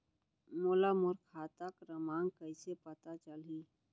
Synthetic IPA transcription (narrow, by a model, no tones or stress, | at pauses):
moːlamʊɾkʰaːt̪akɾəmaːŋkəɪsepət̪at͡ʃəlĩː